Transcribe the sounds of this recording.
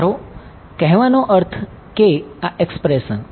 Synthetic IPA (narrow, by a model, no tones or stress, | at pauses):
ɾo | kɛɦʋanoʔəɾt̪ʰ | keaekspɾesən